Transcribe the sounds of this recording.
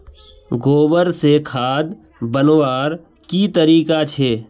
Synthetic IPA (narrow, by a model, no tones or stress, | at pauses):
ɡoːbəɾsekʰaːd̪ | bənwaːɾ | kit̪əɾiːkat͡ʃʰeː